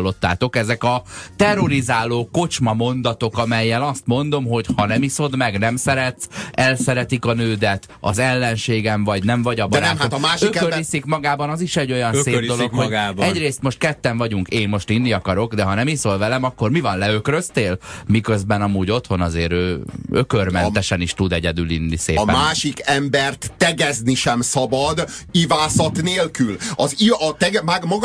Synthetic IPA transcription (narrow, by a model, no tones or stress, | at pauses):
lːo̞t̪ːa̰ːt̪o̞kɛzɛkɒt̪ɛro̞ɾizaːloːko̞t͡ʃmɒmo̞nd̪ɒt̪o̞kɒmɛjːɛlɒst̪mo̞nd̪o̞mɦo̞chɒnɛmiso̞d̪mɛɡnɛmsɛɾɛt̪sɛlsɛɾɛt̪ikɒnøːd̪ɛt̪ | ɒ̰zɛlːɛnʃeːɡɛɱvɒɟnɛɱvɒɟɒbɒɾat̪ɒmaːʃiøørisikmɒɡaːbɒnɒziʃɛɟːo̞jɒnsseːd̪olokoɡabɛɟreːst̪mo̞ʃt̪̚kɛt̪ːɛɱvɒɟuŋkeːmmo̞ʃt̪inːiɒkɒɾo̞ɡd̪ɛɦɒnɛmisoːlvɛlɛmɒkːo̞rmivɒnlɛøkrøst̪eːlmikøzbɛnɒmuːɟo̞t̪ho̞nɒzeːɾøːøkørmɛnt̪ɛʃɛniʃt̪ud̪ɛɟɛd̪ylinːiseːpɛ̰maːʃikɛmbɛrt̪ːɛɡɛzniʃɛmsɒbɒd̪ivaːsɒt̪neːlkylɒziɒt̪ɛɡmaɡmɒɡ